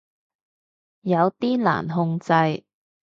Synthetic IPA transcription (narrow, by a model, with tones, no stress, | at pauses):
jɐ˨˧wt̪iː˥la̰ː˨˩nɦʊ˧ŋt͡sɐ˧j